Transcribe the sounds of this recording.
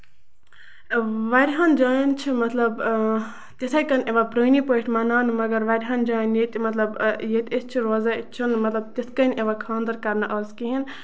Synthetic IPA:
ʋɐɾʲɦand͡ʒaːjint͡ʃʰimɐt̪lɐb | t̪esajkɐneʋapɾonipoiʈʰmɐnaːnmɐɡɐɾʋɐɾʲɦand͡ʒaːnjit̪imɐt̪lɐbjet̪ʲest͡ʃʰiɾoːzait͡ʃʰunmɐt̪lɐb̚t̪eskɐneʋakʰãːnd̪ɐɾkɐɾnaʔɐzkiɦin

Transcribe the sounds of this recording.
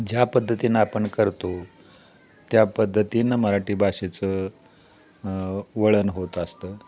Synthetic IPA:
d͡ʑjapəd̪ʱːət̪iːnəapəɳkəɾt̪o | t̪japəd̪ʱːət̪iːnəməɾaʈiːbʱaɕet͡sə | ʋəɭənɦot̪əst̪əː

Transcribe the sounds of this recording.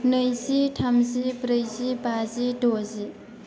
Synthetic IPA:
nəjziʈʰamzibɾəjzibaziɖozi

